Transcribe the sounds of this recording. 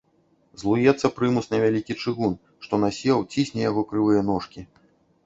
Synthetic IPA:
zlˠujɛt̪sːɐpɾɨmusnʲɐvʲalʲikʲit͡ʂɨɣun | ʂt̪ɔnasʲɛwt͡sʲisʲnʲɛjaɣɔkɾɨvˠɨjɐnɔʂkʲi

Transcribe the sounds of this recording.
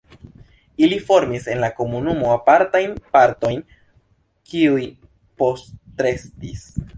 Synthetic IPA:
ilifo̞ɾmise̞nlako̞munumo̞apaɾtajnpaɾto̞jn | kiuji | po̞stɾe̞stis

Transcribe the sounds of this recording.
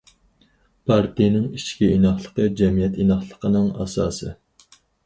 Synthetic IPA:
pʰɑɾt̪ijnɪŋiʃkʲiinɑχlˠəqəd͡ʒɛmijɛt̪inɑχlˠəqʰənɨŋɑ̰sɑːsɨ

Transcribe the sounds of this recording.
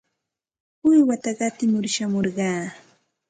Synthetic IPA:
ʊjwat̪ɑɢɑt̪ɪmʊɾʃamoɾɢɑː

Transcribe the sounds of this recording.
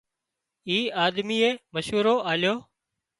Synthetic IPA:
iːaːd̪miːeːməʃɦuːɾoːʔaːljoː

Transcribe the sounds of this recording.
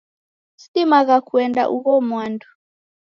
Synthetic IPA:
si̥timaɣakuɛnda̰ʔuɣɔmwandu

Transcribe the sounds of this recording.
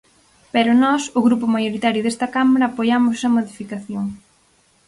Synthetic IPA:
pɛɾʊnɔsʊɣɾupʊmajoɾit̪aɾjʊðest̪ɐkamaɾɐːpojamʊsɐmoðifikaθjoŋ

